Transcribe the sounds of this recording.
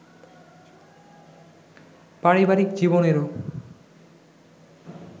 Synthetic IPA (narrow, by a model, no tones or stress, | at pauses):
paɾibaɾikd͡ʑiboneɾo